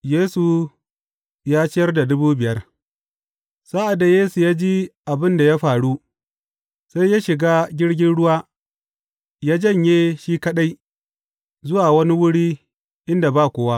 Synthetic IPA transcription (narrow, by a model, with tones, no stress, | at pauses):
jeː˦su˨ | jaː˦t͡ʃɪ˦jɐ˦rda˨dʊ˦buː˦bɪ˨jɐ˦r | sa˦ʔa˨da˨jeː˦su˨jaː˦d͡ʒi˦ʔa˨bɪ˦nda˨ja˦ɸaː˨ɽu˦ | sa˦jja˦ʃɪ˨ɡaː˦ɡʲɪ˦ɽɡʲɪ˦nɽʊ˦waː˦ | jaː˦d͡ʒɐ˦˨ɲjeː˦ʃiː˦kɐ˦ɗa˦j | zʊ˦waː˨wɐ˦ni˦wʊ˦ɽiː˦ | ʔɪ˦nda˨baː˦˨kʷoː˨˦wa˦